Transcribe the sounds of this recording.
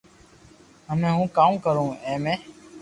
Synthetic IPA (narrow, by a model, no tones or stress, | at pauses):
ɦəmẽːɦũːkaːmːkəɾõːẽːmẽː